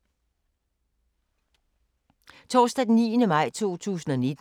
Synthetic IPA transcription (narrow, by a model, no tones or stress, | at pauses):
t͡sʰɒːsd̥æ̥nḭːnəmɑ̈ɪ̰t͡sʰo̝̰ːt͡sʰṵːsn̩ɒne̝d̥